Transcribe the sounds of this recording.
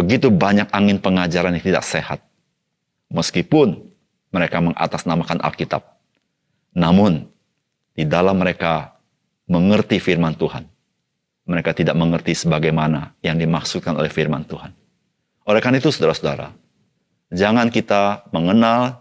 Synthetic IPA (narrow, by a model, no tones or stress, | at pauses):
bəɡit̪ubaɲak̚aŋɪnpəŋad͡ʒaɾanjit̪ida̰kseha̰t̪̚ | məskipʊn | məɾekaməŋʔa̰t̪asnamakanʔa̰lkit̪a̰p̚ | namʊn | d̥idalamːəɾeka | məŋərt̪ifirmant̪uha̰n | məɾekat̪idaʔ̚məŋərt̪isəbaɡajmanajaŋdimaksut̪̚kano̰lɛhfirma̰nt̪uhan | oɾekanit̪usudaɾasuda̰ɾa̰ | d͡ʒaŋankit̪aməŋənal